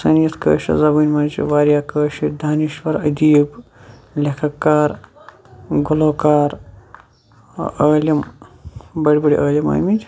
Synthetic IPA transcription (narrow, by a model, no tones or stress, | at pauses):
sɐnjit̪kə̰ːʃḭzɐbɨnʲmɐd͡ʒḭʋaːɾjaːkəːʃid̪ʱaːniʃʋɐɾɐd̪iːblʲekʰɐkːaːɾ | ɡuloːkaːɾ | əːlʲim | bɐɽʲbɐɽḭʔəːlʲimɐ̰ːmid͡ʒ